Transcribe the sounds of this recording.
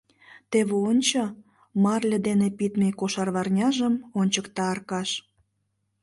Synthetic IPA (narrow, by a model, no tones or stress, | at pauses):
t̪eβeonʲt͡ɕo | mɑrlʲed̪enepit̪mekoʃɑrβɑrnʲɑʒəmonʲt͡ɕəkt̪ɑːrkɑʃ